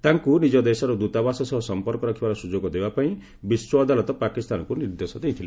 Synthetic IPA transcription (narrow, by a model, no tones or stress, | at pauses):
t̪aŋkunid͡ʒɔd̪esɔɾud̪ut̪abasɔsɔɦɔsɔmpɔɾkɔɾakʰibaɾɔsud͡ʒoɡɔd̪ebapaĩ | biswɔːd̪alɔt̪ɔpakist̪anɔkuniɾd̪esɔd̪eit̪ʰile